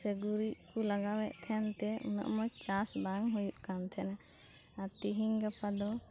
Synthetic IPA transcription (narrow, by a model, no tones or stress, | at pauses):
səɡuɾiʔkulaɡawɛʔt̪ʰɛnt̪ɛṵnə̰ʔmɔjt͡ʃasbaŋɦujuʔkant̪ʰɛna | at̪iɦiŋɡapʰad̪ɔ